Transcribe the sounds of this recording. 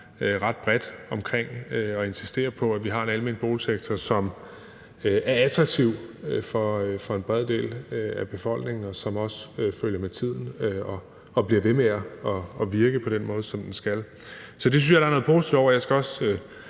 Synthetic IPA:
øʁɑ̈d̥̚b̥ʁɛd̥ɒ̽mkʰʁeŋ̰øɒ̽e̝nsi̥sd̥e̝̰ːɐpʰɒ̽æʋiɦɑ̈e̝nælme̝n̰lib̥o̝ːlseɡ̥̚t͡sʰɒsɒ̽m | æɐæt͡sʰʁɑ̈ɡ̥̚t͡sʰiʊ̰fɒfɒ̽e̝nb̥ʁɛðˠd̥e̝̰ːlæb̥e̝fɒ̽l̰ɡ̥ne̝ŋn̩ɒsɒ̽mɒ̽søføljɐmet͡sʰið̞̰ˠn̩øɒ̽ː | b̥liɐʋe̝meæɒːʋiɐɡ̥əpʰɒ̽d̥enmɔ̽ːð̞ˠsɒ̽md̥ensɡ̥æl | sɒ̽d̥e̝syn̩sjɑ̈ɾ̥ɑ̈ɐnɔ̽ð̩ˠpʰo̝ːsid̥id̥ɒ̰ʊ̰ɐjɑsɡ̥æɒ̽sø

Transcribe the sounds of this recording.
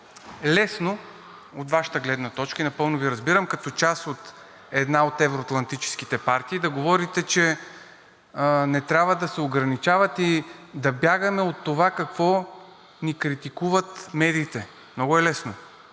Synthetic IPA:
lɛsno | ot̪vaʃi̥t̪əɡlɛd̪nɐt̪ɔt͡ʃkəinɐpɤlˠnʊviɾɐzbiɾəmkɐt̪ɔt͡ʃasot̪ | ɛd̪naot̪ɛvɾoɐt̪lˠɐnt̪it͡ʃɛ̥sk̟i̥t̪ɛpaɾt̪iːd̪ɐɡovɔɾit̪ɛt͡ʃɛ | nɛt̪ɾʲabvəd̪ɐsɛoɡɾɐnit͡ʃavɐt̪id̪ɐbjaɡɐmɛot̪ːovakɐkvɔ | nikɾit̪ikuvɐt̪mɛd̪iːt̪ɛ | mnɔɡʊɛlɛsno

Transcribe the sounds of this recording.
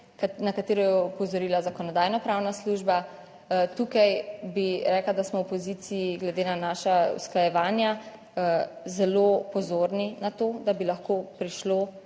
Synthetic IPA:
knakat̪eːɾɔjɛɔpɔzɔɾiːlazakɔnɔd̪aːjnɔpɾawnasluːʒba | t̪uːkajbiɾɛːklad̪asmɔwpɔzit̪sijiɡlɛd̪eːnanaːʃaṵsklajɛʋaːnja | zɛloːpɔzoːɾninat̪oːd̪abilaxkoːpɾiʃloː

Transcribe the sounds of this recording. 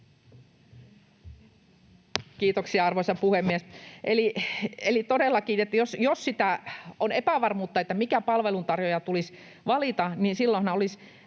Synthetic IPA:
kiːt̪oksiɑɑrʋoisɑpuhemːiesʔelielit̪odelːɑkiːet̪ːæjosjossit̪æonepæʋɑrmuːt̪ːɑet̪ːæmikæpɑlʋelunt̪ɑrjojɑt̪ulis | ʋɑlit̪ɑniːnsilːõnhɑnɑolis

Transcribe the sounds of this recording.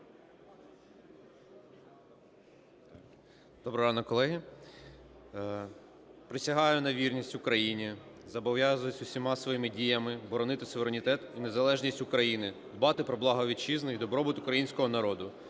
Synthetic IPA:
d̪̥ɔbɾɔɦɑnɔkɔlˠɛɦʲi | pɾɪsʲɐɦɑjʊnɐʋʲirnʲisʲtʲʊkɾɐjinʲizɐbɔʋjazʊjʊsʲʊsʲimɑsʋɔʋimɪdʲijɐmɪbɔɾɔnɪt̪ɪsʊʋʲeɾenʲɪt̪ɛt̪inezɐlˠɛʒnʲisʲtʲʊkɾɐjinɪd̪bɑt̪ɪpɾɔblˠɑɦɔʋʲit͡ʃiznɐid̪ɔbɾɔbɪt̪ʊkɾɐjinʲsʲkɔɦɔnɐɾɔd̪ʊ

